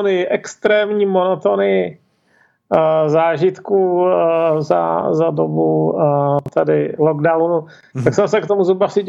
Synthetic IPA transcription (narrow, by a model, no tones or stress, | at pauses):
nɪʔɛkst̪ɾɛːmɲiːmonot̪onɪ | zaːʒɪt̪ku | za̰zadobu | t̪ɛdɪloɡdawnu | t̪aksɛmsɛkt̪omuzɾubasɪɟ